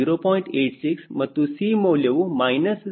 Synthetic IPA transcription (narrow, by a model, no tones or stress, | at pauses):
iɾopɔĩɳʈeʈsiksmət̪ːusimoleʋumajnəs